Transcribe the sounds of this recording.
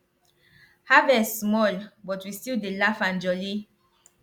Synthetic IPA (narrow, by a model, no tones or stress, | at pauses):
havɛsmɔlbɔtwistildelafãnd͡ʒɔli